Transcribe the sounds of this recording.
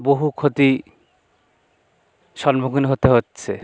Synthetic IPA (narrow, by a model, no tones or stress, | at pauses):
boɦukʰot̪i | ʃɔnbokunɦot̪eɦotːɕʰe